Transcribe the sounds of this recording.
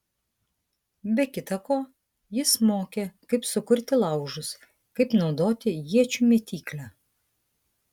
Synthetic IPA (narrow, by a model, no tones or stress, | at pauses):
bʲɛkʲɪt̪ɐkoː | jɪsmoːkʲekɐɪpsʊkʊɾʲt̪ʲɪlˠɐˑʊʒʊs | kɐɪpnɒʊd̪oːt̪ʲɪjiɛt͡ʃʲuːmʲɛt̪ʲiːklʲæː